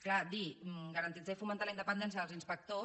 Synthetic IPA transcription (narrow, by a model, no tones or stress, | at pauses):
klad̪imɡəɾənt̪id͡zaifumənt̪aləind̪əpənd̪ɛnsjəðəlzinspək̚t̪o